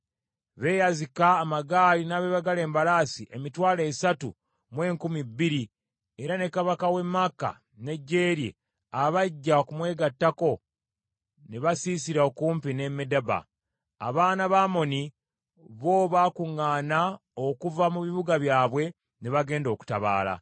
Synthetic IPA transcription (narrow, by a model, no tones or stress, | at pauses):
βe̞jazikaːmaɡaːlinaβeβaɡale̞ːmbalaːsiʔemitwaːleːsatu | mwe̞ːŋkumibːiɾi | eɾane̞kaβakawe̞mːakːa̰ | ne̞ɟːe̞ːɾje̞̰ | aβaɟːakumwe̞ːɡatːako̞ | neβasiːsiɾaokuːmpine̞medaba̰ː | βaːnaβaːmo̞ni | βo̞ːβaːkuŋːaːnaokuvamuβiβuɡaβjaːβwe̞ | neβaɡe̞ːndo̞ku̥ta̰βa̰ːla̰